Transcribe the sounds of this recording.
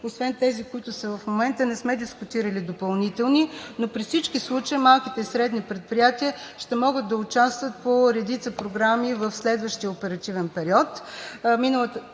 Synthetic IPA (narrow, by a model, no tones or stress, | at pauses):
osvɛnt̪ɛzikʊit̪ʊsɐvɐfmomɛnt̪ənɛsmɛd̪iskʊt̪iɾəlid̪opɐlˠnit̪ɛlˠninopɾifsit͡ʃkislˠut͡ʃəimalˠkit̪ɛisɾɛd̪nipɾɛt̪̚pɾijat̪iəʃt̪ɛmɔɡəd̪ːɐʊt͡ʃast̪vət̪̚poɾɛd̪it̪səpɾoɡɾamivəfslɛd̪vəʃt̪ijəopɛɾɐt̪ivɛnpɛɾiɔt̪minəlˠət̪ə